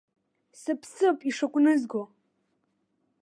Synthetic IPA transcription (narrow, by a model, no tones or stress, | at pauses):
sɨpʰsɨpʼiʂakʷʼnɨzɡo